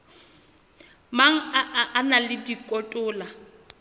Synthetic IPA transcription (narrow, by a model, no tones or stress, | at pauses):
maŋ̩aʔʔːnalɪdikʼɔtʼʊːla